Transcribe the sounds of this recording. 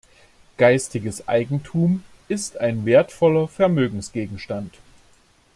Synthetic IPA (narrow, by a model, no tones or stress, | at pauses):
ɡ̥aɪstɪɡəsʔa̰ɪɡŋ̩tʰuːm | ʔɪstaɪnveːɐtfɔlɐfɛɐmøːɡŋ̩sɡ̥eːɡŋ̩ʃtant